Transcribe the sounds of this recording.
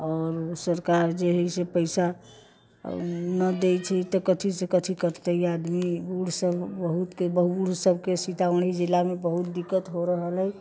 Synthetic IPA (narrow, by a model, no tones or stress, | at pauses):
ɔːɾsəɾkaɾd͡ʒeɦəsepəɪsa | nəd̪et͡ʃʰɛt̪ɔkət̪ʰisekət̪ʰikəɾt̪əiad̪miuɽ̤səbʱbəɦut̪kebəɦuɽsəbʱkesit̪aʋəɳid͡ʒilːamebəɦut̪̚d̪ikːət̪ɦoɾəɦələj